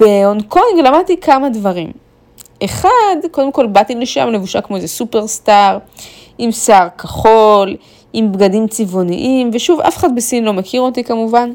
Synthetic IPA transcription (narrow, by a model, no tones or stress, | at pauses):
b̥eonkoŋɡlamad̪̚t̪ikʰamadvaʁim | ʔe̞χad̪ko̞d̪emko̞lbat̪ileʃa̰mle̞vuʃakmo̞ezesupe̞ʁstaʁ | imsaʁkaχo̞l | imbɡadimt͡sivo̞nḭʔimveʃuva̰fe̥χad̪̚besinlo̞mekʰiʁot̪ikamuvan